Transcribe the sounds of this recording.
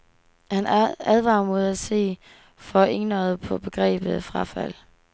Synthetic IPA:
hænæð̞ˠʋɑ̈ːmo̝ð̞ˠæ̥se̝̰ː | fɒ̽ʔe̝ŋnɒð̩ˠpʰɒ̽b̥e̝ɡ̥ʁɛ̰ːb̥ð̩ˠfʁɑ̈fæl̰

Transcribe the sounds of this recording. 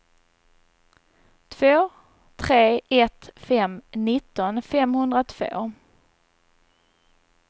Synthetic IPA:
t̪ʰv̥oː | t̪ʰɾeːɛt̪fɛmnɪt̪ːɔnfɛmhɵnd̪ɾat̪ʰv̥o̰ː

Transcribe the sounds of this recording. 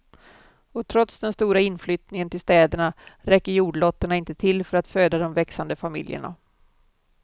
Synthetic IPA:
ɔt̪ʰɾɔt̪sd̪ɛnst̪uːɾaɪnːflʏːt̪nɪŋənt̪ʰɪlst̪ɛːd̪əɳaɾɛkːəɾjuːɖɭɔt̪ːəɳaɪnt̪ət̪ʰɪlːfœɾat̪føːd̪ad̪ɔmvɛksand̪əfamɪ̰ljə̰ɳa̰

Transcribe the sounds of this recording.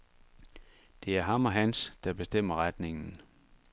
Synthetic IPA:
d̥e̝æɐɦɑ̈mɒ̽ɦænsd̥ɑ̈b̥e̝sd̥em̰ɐʁad̥ne̝ŋn̩

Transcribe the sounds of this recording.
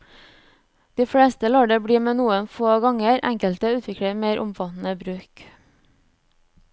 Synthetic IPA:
d̪̥iːfɽeːst̪əloːɖəbɽiːmeːnuːənfoːɡɑŋəɾʔæ̰ŋkəlt̪əʉːt̪ʰʋɪkɽəmeːɾʔʊmfɑt̪n̩əbɾʉːk

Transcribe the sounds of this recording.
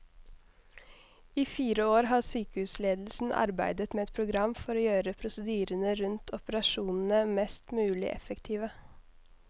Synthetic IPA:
iːfiːɾəoːɾɦɑːsyːkəhʉːsleːd̪l̩sn̩ʔɑ̰ɾbæ̰ɪd̪ət̪meːɛt̪̚pʰɾʊɡɾɑmfɔɾoːjøːɾəpʰɾʊsəd̪yːɾənəɾʉnt̪ʰɔpəɾɑʃuːnn̩əmɛst̪mʉːlɪ̰ʔɛ̰fəkt̪ʰiːʋə

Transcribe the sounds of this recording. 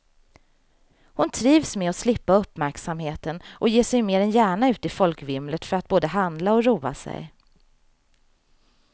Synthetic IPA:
hʊnt̪ʰɾiːvsmɛɔslɪpːaɵpːmæɾksamheːt̪ənʔɔjeːʂɛjmeːɾɛnjæːɳaʉ̟ːt̪ɪfɔlkvɪmlət̪fœɾat̪̚boːd̪əɦand̪laɔɾuːa̰sɛ̰j

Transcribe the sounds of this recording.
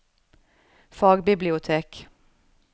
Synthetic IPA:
fɑːɡbɪblɪʊt̪ʰeːk

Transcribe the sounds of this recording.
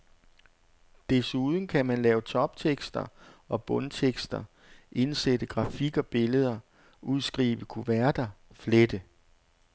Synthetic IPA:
d̥esuːð̞ˠn̩kʰæmænlɛːʊt͡sʰɒ̽b̥t͡sʰeɡ̥sd̥ɐɒ̽b̥ɔ̽nt͡sʰeɡ̥sd̥ɐ | ʔe̝nsed̥əɡ̥ʁɑ̈fiɡ̥ɒ̽b̥e̝ləð̞ˠɐ | uðˠsɡ̥ʁḭːʋ̥əkʰuʋæɐd̥ɐfled̥ə

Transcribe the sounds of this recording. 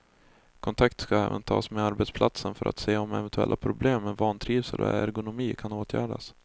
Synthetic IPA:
kʰɔnt̪ʰak̚t̪skaɛːvənt̪ʰɑ̰ːsmeaɾbɛt̪spʰlat̪sənfœɾʔa̰t̪seːɔmɛvɛnt̪ɵɛ̰lʔapʰɾʊbleːmːɛnvɑːnt̪ʰɾiːvsəɾɔæɾɡʊnʊmiːkʰanoːt̪ʰjæ̰ːɖas

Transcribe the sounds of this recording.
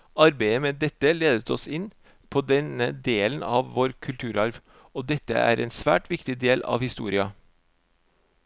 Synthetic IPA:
ɑɾbæɪəmeːd̪ɛt̪ːəleːd̪ət̪ʰɔsɪnː | pʰoːd̪ɛnəd̪eːlənɑːʋʋoːɾkʰʉlt̪ʰʉːɾɑɾʋ | oːd̪ɛt̪ːə̰ʔæ̰ːɾʔɛɪnsʋæ̰ːʈʋɪkt̪ɪd̪eːlɑ̰ʋhɪst̪ṵːɾɪɑ

